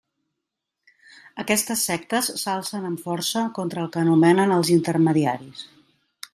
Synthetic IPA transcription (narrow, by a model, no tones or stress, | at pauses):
əkɛst̪əsːɛk̚t̪əsːalˠsənəɱfɔrsəkɔnt̪ɾəːlˠkəːnumɛnənəlˠzint̪ərməðiaɾis